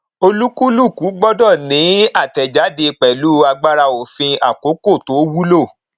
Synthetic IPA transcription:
o˧lu˦ku˦lu˦˨ku˨˦ɡ͡bɔ˦dɔ˦˨nĩ˨˦a˦˨tɛ˨d͡ʒa˨˦de˧k͡pɛ˨lu˦a˧ɡ͡ba˦ɾa˧o˨fĩ˧a˨ko˨˦ko˦˨to˨˦wu˦lo˦˨

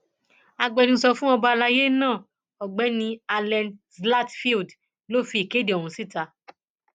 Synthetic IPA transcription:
a˧ɡ͡bɛ˧nĩ˧sɔ˧fũ˦ɔ˧ba˧la˧je˦nãː˦˨ | ɔ˨ɡ͡bɛ˨˦nĩ˧a˧lɛ̃˧nsla˦tfi˦ld | lo˦fi˧˦i˨ke˨˦de˨o˨hũ˧˦si˦˨ta˨˧

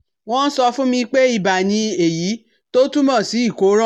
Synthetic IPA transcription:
w̃ɔ̃˦n̩˦sɔ˧fũ˦mĩ˧k͡pe˦i˧ba˨nĩ˧e˨ji˨˦ | to˦tu˦mɔ̃˦˨si˨˦i˦˨ko˨˦ɾã˦

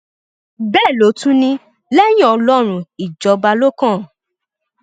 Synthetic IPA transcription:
bɛː˦˨lo˨˦tũ˦nĩ˧ | lɛ˦j̃ĩ˦ɔ˧lɔ˦ɾ̃ũ˧i˨d͡ʒɔ˨˦ba˧lo˦kã˦˨

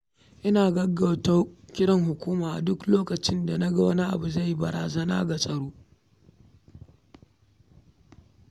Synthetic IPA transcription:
ʔɪ˦naː˨ɡɐ˦ɡɐ˨wta˦kʲɪ˦ɽɐ˦ŋɦʊ˨kʷuː˦maː˨ʔdʊ˦kloː˦kɐ˨t͡ʃɪ˦nda˨nɐ˦ɡɐ˨wɐ˦ni˦ʔa̰˨bu˨za˦˨jːi˦bɐ˨ɽaː˨zɐ˦na̰ː˦ɡa˨sʼɐ˨ɽoː˦

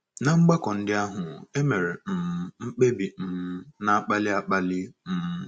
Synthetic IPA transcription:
na˨ŋ͡m̩˦ɡ͡ba˦kɔ˨n̩˦dɪ˦a˦ɦʊ˨e˦me˨ɾe˨m̩˨m̩˦ŋ͡m̩˦k͡pe˦bi˨m̩˨m̩˦na˨a˦k͡pa˦lɪ˦a˦k͡pa˦lɪ˦m̩˨˦

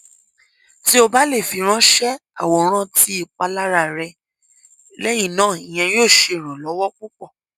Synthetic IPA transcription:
ti˦o˧ba˦le˦˨fi˨˧˦ɾ̃ã˦ʃɛ˦a̰˦˨wɔ˧ɾ̃ã˦tʰi˦i˧˨k͡pa˧la˦ɾa˧˨ɾɛ˧ | lɛ˦j̃ĩ˦˨nãː˦˨i˨j̃ɛ̃˧joː˦˨ʃe˧˨ɾ̃ɔ̃˨lɔ˨˦wɔ˦k͡pu˦k͡pɔ˦˨

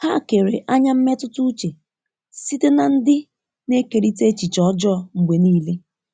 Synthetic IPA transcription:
ha˦˨ke˨ɾḛ˨ʔa˦ɲa˦m̩˦me˦tʊ˦tʊ˦t͡ʃe˨ | si˦te˦na˨n̩˦dɪ˦ | ne˦ke˨ɾi˦te˦t͡ʃi˨t͡ʃɔ˦d͡ʒɔ˦˨ŋ͡m̩˨ɡ͡bʷe˨niː˦le˦

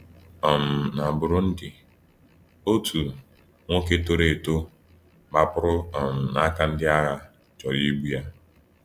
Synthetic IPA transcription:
ɔ˨m̩˨na˨bʊ˨ɾʊ˦n̩˦dɪ˨ | o˦tʰu˨ | ŋʷo˦ke˦to˦ɾe˨to˦ | ba˦pʊ˦ɾʊ˦ɔ˨m̩˨na˦ka˨n̩˦dɪ˦a˦ɣa˨ | t͡ʃɔ˨ɾi˦ɡ͡bu˦ja˦

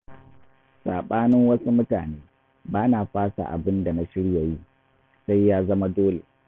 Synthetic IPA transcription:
saː˨ɓaː˦nɪ˦ŋwɐ˦su˦mʊ˦taː˨neː˦ | baː˦na˨ɸaː˦sa̰˨ʔa̰˨bɪ˦nda˨na˦ʃɪ˦ɽja˨ji˦ | sa˦jːaː˦zɐ˦ma˦doː˦lḛ˨

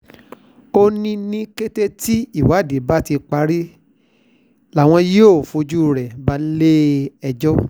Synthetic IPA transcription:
o˦nĩ˦nĩ˦ke˦te˦ti˦i˦˨wa˨˦˨de˨˦ba˦ti˧k͡pa˧˦ɾi˦ | la˨w̃ɔ̃˧je˦o˦˨fo˧d͡ʒu˦˨ɾɛ˨ba˨˧˦le˦ɛ˧d͡ʒɔ˦

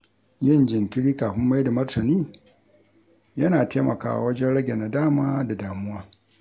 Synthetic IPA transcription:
jɪ˦nd͡ʒɪ˨ŋkʲɪ˦ɽiː˦kaː˨ɸɪ˦mːa˦jda˨mɐ˦rtɐ˨niː˦ | jɐ˦naː˨teː˦mɐ˨ka̰ː˨ʔa̰˨wɐ˦d͡ʒɛ˦nɽɐ˦ɡʲe˨na˨daː˦˨maː˦da˨daː˨mʊ˦waː˦

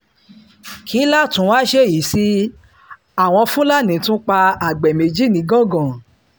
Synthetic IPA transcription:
kʰi˨˦la˦˨tũ˨˦waː˦ʃe˦˨ji˨˦si˦ | a˨w̃ɔ̃˧fũ˦la˦˨nĩ˨˦tũ˦k͡pa˧a˨ɡ͡bɛ˨me˨d͡ʒi˦nĩ˨˦ɡɔ̃˦˨ɡɔ̃˨

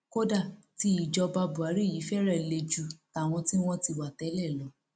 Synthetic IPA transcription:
ko˦da˦˨ | ti˧˦i˨d͡ʒɔ˧ba˧bu˨a˨˦ɾi˦˨ji˨˦fɛ˦ɾɛ˦˨le˧d͡ʒu˦˨ta˨w̃ɔ̃˧ti˦w̃ɔ̃˦ti˧wa˨tɛ˨˦lɛ˦˨lɔ˨˦

